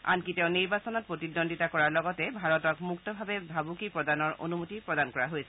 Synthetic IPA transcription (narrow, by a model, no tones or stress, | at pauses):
a̰nkitɛʊ̃niɹbasɔnɔt̚pɹotidɔnditakɔɹaɹlɔɡɔtɛbʱaɹɔtɔkmuktɔbʱabɛbʱabukipɹɔdanɔɹʔo̰numutipɹɔdankɔɹaɦojsɛ